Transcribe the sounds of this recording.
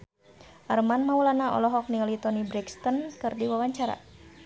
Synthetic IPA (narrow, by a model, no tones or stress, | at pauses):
ʔarmanmaulanaʔɔ̰lɔɦɔk̚nilit̪ɔnibɾɛkst̪ɔnkɨrdiwawaɲt͡ʃaɾa̰